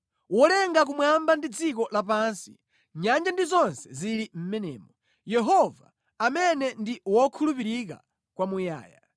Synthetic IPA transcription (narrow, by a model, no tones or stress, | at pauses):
wɔlɛŋɡak̬umwambandid͡zik̬ɔlap̬ansi | ɲand͡ʒandizɔnsɛ̥ziɾim̩mɛnɛ̰ːmɔ | jɛɦɔva̰ | amɛnɛndiwɔkʰulupiɾik̬a̰ | kwamuja̰ːja̰